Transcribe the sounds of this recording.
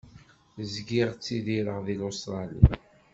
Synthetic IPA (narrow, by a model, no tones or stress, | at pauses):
zɡiʁt͡sːiðiɾəʁðilost̪ɾˤɑlḭ